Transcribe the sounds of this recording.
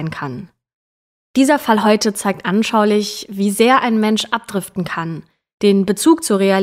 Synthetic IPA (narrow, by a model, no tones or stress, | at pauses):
ɪnkʰan | d̥iːzɐfalɦɔʏtət͡saɪk̚tʔanʃaʊlɪçv̥iːzeːɐʔaɪnmɛnʃʔap̚d̥ʁɪftn̩kʰan | d̥eːnbət͡suːk̚t͡suːɐʁ̞ea